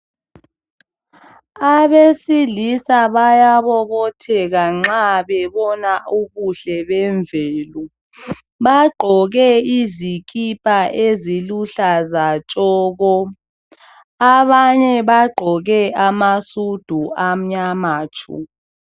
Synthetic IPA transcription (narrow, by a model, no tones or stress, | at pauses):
aβesilisaβajaβɔβɔtʰɛɣaŋ͡ǁaɓɛβɔnaʔuβuɬɛβɛɱvʱɛːlu | ɓaɡ͡ǃʱɔɣɛizikʼipʼaʔeziluɬazat͡ʃʼɔːɣɔ | aβaɲɛɓaɡ͡ǃʱɔɣɛamasud̥ʱuam̩ɲamaːt͡ʃʰṵ